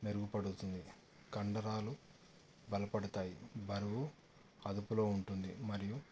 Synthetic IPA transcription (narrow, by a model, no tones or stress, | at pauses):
neɾuɡupɐɽut̪und̪i | kɐɳɖɐɾaːlu | bɐlɐpɐɽɐt̪aːjḭbɐɾɐʋu | ɐd̪upulo̞ːuɳʈund̪ḭmɐɾiju